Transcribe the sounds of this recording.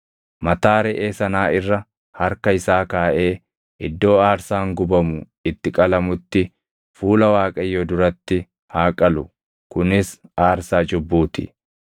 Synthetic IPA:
mɐt̪aːɾɛʔeːsɐnaːɪrːɐ | hɐɾkɐɪsaːkaːʔe̞ː | ʔɪd̪ːo̞ːaːɾsaːŋɡʊbɐmʊ | ɪt̪ːɪkʼɐlɐmʊt̪ːɪ | fuːlɐwaːkʼɐjːɔd̪ʊɾɐt̪ːɪ | haːkʼɐlʊ | kʊnɪsaːɾsaːd͡ʒʊbːuːt̪ɪ̰

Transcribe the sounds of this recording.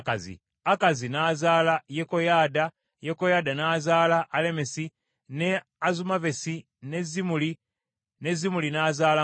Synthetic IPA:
kazḭ | akazinaːzaːlajeko̞jaːda | jeko̞jaːdanaːzaːlaʔːle̞mesi | ne | azumave̞si | ne̞zimuli | ne̞zimulinaːzaːla

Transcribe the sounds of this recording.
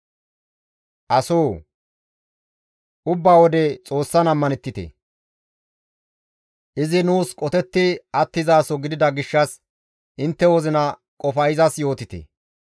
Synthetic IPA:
ʔɐso̞ː | ʔʊbːaːwɔd̪ɛt͡sʼo̞ːsːɐnɐmːɐnɛt̪ːɪt̪ḛ | ʔɪzɪnuːskʼɔt̪ɛt̪ːɪɐt̪ːɪzaːsɔɡɪd̪ɪd̪ɐɡɪʃːɐs | ʔɪnt̪ːɛwɔzɪnɐ | kʼɔfɐjɪzɐsjo̞ːt̪ɪt̪ḛ

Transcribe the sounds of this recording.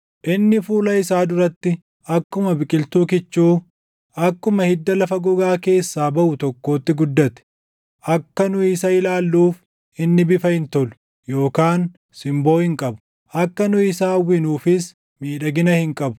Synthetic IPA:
ʔɪnːɪfuːlɐɪsaːd̪ʊɾɐt̪ːɪ | ɐkːʊmɐbɪkʼɪlt̪uːkɪt͡ʃːuː | ɐkːʊmɐhɪd̪ːɐlɐfɐɡɔɡaːke̞ːsːaːbɐʔʊt̪ɔkːo̞ːt̪ːɪɡʊd̪ːɐt̪ɛ̥ | ʔɐkːɐnʊɪsɐɪlaːlːuːf | ɪnːɪbɪfɐhɪnt̪ɔlʊ̥ | jo̞ːkaːn | sɪmbo̞ːhɪŋkʼɐbʊ̥ | ʔɐkːɐnʊɪsaːwːɪnuːfɪs | miːᶑɐɡɪnɐhɪŋkʼɐbʊ̥

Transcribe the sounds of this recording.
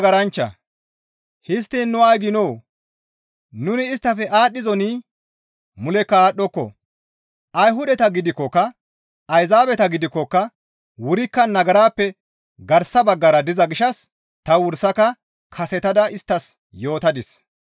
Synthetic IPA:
ɡɐɾɐnt͡ʃːɐ̰ | hɪs̬t̪ːinːʊɐjɡɪnɔw | nʊnɪːst̪ːɐfɛʔaːɗːɪzɔni | mʊlɛkːɐaːɗːɔkːɔ̰ | ʔɐjɦʊd̪ɛt̪ɐɡɪd̪ɪkːɔkːɐ | ɐjzaːbɛt̪ɐɡɪd̪ɪkːɔkːɐ | wʊɾɪkːɐnɐɡɐɾaːpːɛ | ɡɐɾsɐbɐɡːɐɾɐd̪ɪzɐɡɪʃɐs | t̪ɐwʊɾsɐkɐ | kʰɐsɛt̪ɐd̪ɐɪst̪ːɐs | jo̞ːt̪ɐd̪ɪs

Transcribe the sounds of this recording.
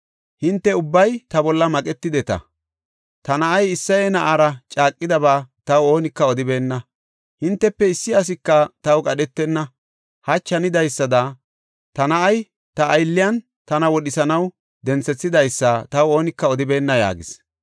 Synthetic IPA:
hɪnt̪ːɛʊbːɐjt̪ɐbɔlːɐmɐkʼɛt̪ːɪd̪ɛt̪ɐ̰ | t̪ɐnɐʔɐjɪsːɐjenɐʔaɾɐt͡ʃʼaːkʼːɪd̪ɐbaːt̪ɐwo̞ːnɪkːɐɔd̪ɪbe̞ːnːɐ | hɪnt̪ːɛpːɛɪsːɪɐs̬ɪkːɐt̪ɐwkʼɐɗɛt̪ːɛnːɐ | hɐt͡ʃːɐnɪd̪ɐjsːɐd̪ɐ | t̪ɐnɐʔɐj | t̪ɐːjlːɪjɐn | t̪ɐnɐwɔɗɪsɐnɐw | d̪ɛnt͡sːɛt͡sːɪd̪ɐjsːɐt̪ɐwo̞ːnɪkːɐɔd̪ɪbe̞ːnːɐja̰ːɡɪs

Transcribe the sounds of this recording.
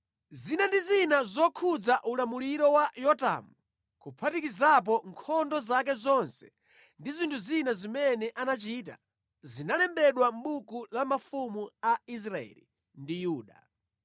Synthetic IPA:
zinandizinazɔkʰud͡zaʔulamuliɾɔwajɔta̰mu | kupʰatikizap̬ɔŋkʰɔndɔzak̬ɛzɔnsɛ̥ | ndizintʰuzinazimɛnɛʔanat͡ʃiːt̬a̰ | zinalɛmbɛɗwam̩ɓukulamafumuais̬ɾaɛ̰lḭ | ndijuːɗa

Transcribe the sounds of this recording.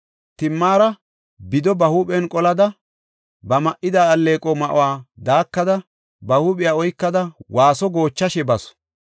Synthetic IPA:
t̪ɪmːaːɾɐ | bɪd̪ɔbɐhuːpɛnkʼɔlɐd̪ɐ | bɐmɐʔɪd̪aːɐlːeːkʼɔmɐʔʊ̰waːd̪aːkːɐd̪ɐ | bɐhuːpʼɪjaːɔjkːɐd̪ɐwʔaːsɔɡo̞ːt͡ʃːɐʃɛbɐsɔ̥

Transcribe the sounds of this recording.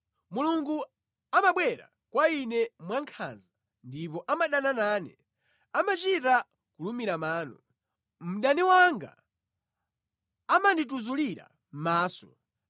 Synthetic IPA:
muluŋɡu | amaɓwɛɾa̰ | kwainɛmwaŋkʰa̰nza | ndip̬ɔʔamaɗananaːnɛ̰ | amat͡ʃita | kulumiɾamaːnɔ | m̩ɗaniwaŋɡa̰ | amandituzuliɾa̰ | m̩maːsɔ̥

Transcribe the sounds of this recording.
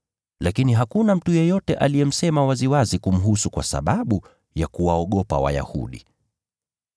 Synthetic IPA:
lakiniɦakunam̩tujɛjɔtɛʔalijɛm̩sɛmawaziwazikum̩ɦusukwa̰sa̰ɓaɓu | jakuwaɔɠɔpa̰wa̰ja̰hṵɗḭ

